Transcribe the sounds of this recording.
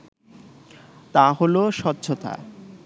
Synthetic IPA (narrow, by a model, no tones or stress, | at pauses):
t̪aɦoloʃɔt̪ːɕʰot̪a̰